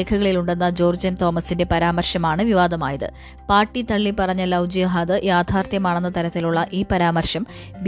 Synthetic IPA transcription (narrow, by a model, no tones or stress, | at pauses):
eːkʰɐɣɐɭiluɳɖe̞nːɐd͡ʑoːrd͡ʑɐnt̪o̞ːmɐsinde̞pɐɾaːmɐrɕɐmaːɳɨʋiʋaːd̪ɐma̰ːjɐðɨ̰ | paːrʈːit̪ɐɭːipɐrɐɲːɐlɐwd͡ʑijɐɦaːðɨjaːd̪ʱaːrt̪jɐmaːɳenːɐt̪ɐɾɐt̪ːiluɭːɐʔiːpɐɾaːmɐrɕɐm | ʋ